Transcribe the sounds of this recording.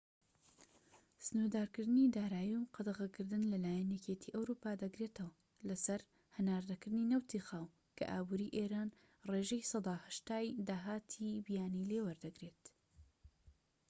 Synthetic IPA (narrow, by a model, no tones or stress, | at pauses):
sɨnud̪aːɾkɨɾd̪ɨnid̪aːɾaːjiwqʰɑd̪ɐɣɐkɨɾd̪ɨnlɐlaːjɛnjɛcet̪ʰiʔɐwɾupaːd̪ɐɡɾeːt̪ʰɐwɐ | lɐsɐɾ | hɐnaːɾd̪ɐkɨɾd̪ɨninɐwt̪ʰixaːw | kʰɐ̰ʔa̰ːbuɾiʔeːɾaːn | reʒɛjsˤɑd̪aːhɐʃt̪aːjd̪aːɦaːt̪ʰibijaːnileːwɐɾd̪ɐɡɾe̞t̪